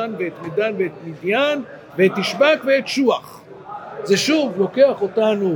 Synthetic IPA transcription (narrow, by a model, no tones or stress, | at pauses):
anveet̪midanveet̪midjan | veet̪ːiʃbakveet̪ʃuaχ | zeʃuvlo̞ke̞aχo̞tanu